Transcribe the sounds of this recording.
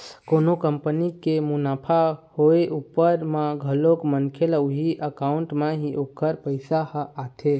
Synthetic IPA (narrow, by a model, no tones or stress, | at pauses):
konokəmpənikemunaːpʰahoeʔupːəɾmaɡʱəlokmənkʰeluɦiʔəkauɳʈmeɦiʔokəɾpəɪsahat̪ʰe